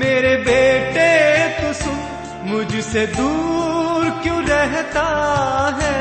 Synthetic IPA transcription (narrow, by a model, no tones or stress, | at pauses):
meːɾebeːʈet̪ʊsõ | mʊd͡ʒʱsed̪uːɾkjõːɾɛɦt̪aɦɛː